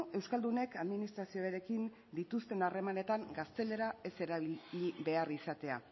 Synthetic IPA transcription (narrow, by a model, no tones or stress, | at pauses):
e̞wskald̪une̞kaðminist̪ɾasioeɾe̞kin | d̪it̪ust̪e̞nare̞mane̞t̪aŋɡast̪e̞le̞ɾae̞se̞ɾaβiʎiβe̞arisat̪e̞a̰